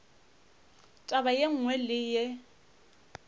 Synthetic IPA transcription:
tʼabajeŋ̩ŋwɛlɪje

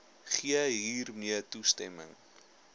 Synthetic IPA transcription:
χiəɦiːrmiətustɛmə̰ŋ

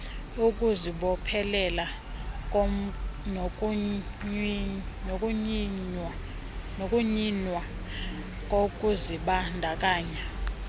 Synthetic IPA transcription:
ukʼuziɓɔpʰɛlɛla | nkʼ | n | nokʼuɲinwa | k̬ʼokʼuziɓandʱakʼaːɲɛ

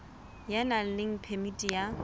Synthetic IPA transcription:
janal̩lɪŋ̩pʰɛmitʼija

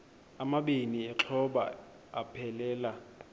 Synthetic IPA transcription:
amaɓeniɛǁʰɔɓa̰ | apʰɛlɛːla

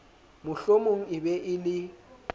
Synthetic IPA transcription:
mʊɬomoŋ̩ɪbɛʔɪlɪ

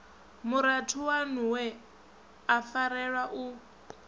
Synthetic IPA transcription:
muɾatʰuwanuwɛ | afaɾɛɺwaʔu

